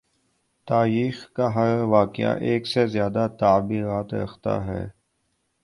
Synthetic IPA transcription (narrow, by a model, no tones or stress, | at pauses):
t̪aːɾiːxkaɦɐɾʋaːkɪjã̰ʔeːksezjaːd̪at̪aːbiːɾaːt̪ɾɐ̰xt̪a̰ɦɛ̰ː